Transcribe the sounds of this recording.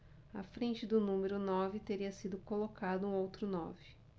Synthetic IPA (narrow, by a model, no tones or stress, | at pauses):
a̰fɾẽnt͡ʃɪd̪ʊnũmeɾʊnɔvɪt̪eɾiɐsid̪ʊkolokad̪ʊũowt̪ɾʊnɔ̰vɪ